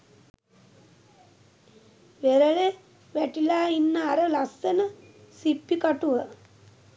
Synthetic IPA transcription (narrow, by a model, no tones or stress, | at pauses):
ʋeɾəɭe | ʋæʈilaːinːəaɾəlasːenə | sipːikaʈuʋə